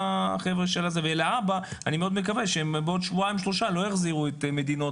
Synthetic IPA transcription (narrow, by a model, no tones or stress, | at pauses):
χevʁeʃelazevelaabaanimeo̞d̪mekaveʃeembeod̪ʃvuaimʃlo̞ʃalo̞jaχziʁuet̪med̪ino̞